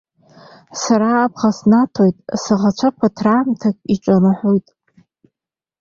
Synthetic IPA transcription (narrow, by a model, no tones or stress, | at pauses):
saɾaːpʰχasnatʰojtʼsɨʁat͡ʃʷʰapʷʰatʰraːmtʰakʼiʈ͡ʂʷʼanɨħʷojtʼ